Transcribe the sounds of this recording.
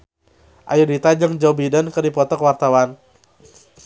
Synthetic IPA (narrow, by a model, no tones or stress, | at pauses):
ʔajudit̪ad͡ʒəŋd͡ʒawbidənkərdipɔt̪ɔkwart̪awan